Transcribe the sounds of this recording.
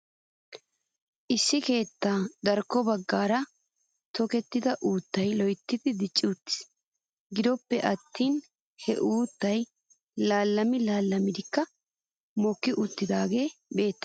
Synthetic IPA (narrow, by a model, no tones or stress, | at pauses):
ʔɪsːɪke̞ːt̪ːaːd̪ɐɾkːɔbɐɡːaːɾɐ | t̪ɔkɛt̪ːɪd̪ɐʔuːt̪ːɐjlɔjt̪ːɪd̪ɪd̪ɪt͡ʃʼːɪʊt̪ːɪ̥s | ɡɪd̪ɔpːɛʔɐt̪ːiːn | hɛ̰ʔuːt̪ːɐj | laːlːɐmɪlaːlːɐmɪd̪ɪkːɐ | mɔkːɪʔʊt̪ːɪd̪aːɡe̞ːbe̞ːt̪ːɐ̥